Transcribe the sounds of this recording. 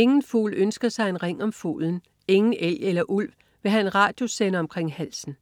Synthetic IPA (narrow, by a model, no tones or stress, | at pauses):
e̝ŋn̩fṵːlønsɡ̥ɐsɑ̈ɪe̝nʁeŋ̰ɒ̽mfo̰ːln̩ | e̝ŋn̩ʔel̰elɐʔul̰ʋ | ʋe̝ɦæe̝nʁɑ̈ːd̥jo̝senəɒ̽mkʰʁeŋ̰hæl̰sn̩